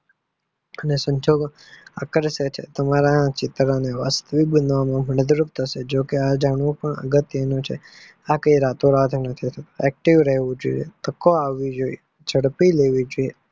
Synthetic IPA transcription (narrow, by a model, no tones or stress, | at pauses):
ənesə̃ɲd͡ʒoɡ | a̰kəɾsət͡ʃʰḛt̪əmaɾãt͡ʃɪt̪ɾaneʋast̪əʋik̚bənʋamãbʱəɳəd̪ɾupt̪ʰəʃed͡ʒokead͡ʒaɳʋũpəɳə̰ɡət̪jənõt͡ʃʰe | akəiɾat̪oɾat̪ʰnət̪ʰit̪ʰət̪oɛk̚ʈiʋɾəɦʋũd͡ʒo̰jḛt̪əkoaʋːid͡ʒoie | d͡ʒʱəɽpileʋid͡ʒoie